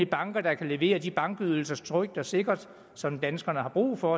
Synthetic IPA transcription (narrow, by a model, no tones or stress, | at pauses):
ib̥ɑ̈ŋɡ̥ɐd̥ɑ̈kʰæle̝ʋe̝̰ːɐdib̥ɑ̈ŋɡ̥yðˠl̩sɐst͡sʰʁœɡ̥̚d̥ɒse̝ɡ̥ɐd̥ | sɒ̽md̥ænsɡ̥ɐnəɦɑ̈b̥ʁṵːfɒ̽